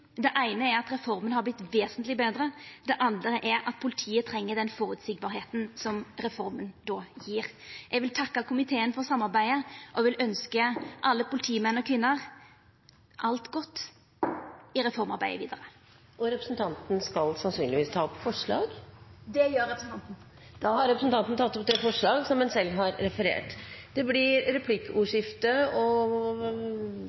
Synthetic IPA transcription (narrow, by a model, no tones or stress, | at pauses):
d̪ɛʔæɪnəɛɾɑt̪ɾɛfɔɾmənhɑɾblɪt̪ːʋeːsənt̪lɪbeːd̪ɾəd̪ɛʔɑnd̪əəʔɛɾʔɑ̰t̪̚pʰʊlɪt̪ʰiːət̪ʰɾɛŋːəd̪ɛnfoːɾʉt̪sɪɡ̚bɑːɾɦeːt̪n̩sɔmɾɛfɔɾmənd̪oːjiːɾʔɛɡʋɪlt̪ʰɑkːɑkʰʊmɪt̪ʰeːənfɔɾsɑmːɑɾbæɪəʔɔʋɪlœnskəʔɑlːəpʰʊlɪt̪ʰiːmɛnːɔkʰʋɪnːəɾ | ʔɑlt̪ɡɔt̪ː | ɪɾɛfɔɾmɑɾbæɪəʋiːd̪əɾə | ʔɔɾɛpɾə̥sn̩t̪ʰɑnt̪n̩skɑlsɑnsyːnlɪʋiːst̪ʰɑːɔpːfɔʂɭɑ̰ːɡd̪ɛjøːɾɾɛpɾəsn̩t̪ɑnt̪n̩ | d̪̥ɑːhɑɾɛpɾəsn̩t̪ʰɑnt̪n̩t̪ʰɑt̪ːɔp̚d̪ɛfɔʂɭɑːɡsɔmdɛnsɛlːɦɑɾːɛfəɾḛːʈd̪̥ɛblɪɾɾɛpʰlɪkːəʔuːʂɪft̪əɔ